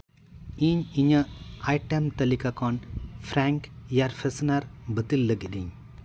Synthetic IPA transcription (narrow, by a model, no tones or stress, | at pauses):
iɲiɲəʔajʈɛmt̪ɐlikakɔnpʰɾaŋkjaɾpʰesnaɾbət̪ilːəɡiɗiɲ